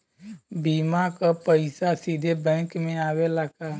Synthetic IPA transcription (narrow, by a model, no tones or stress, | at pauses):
biːmakapəɪsasid̪ʱebɛ̃ːkmẽaːwelaːka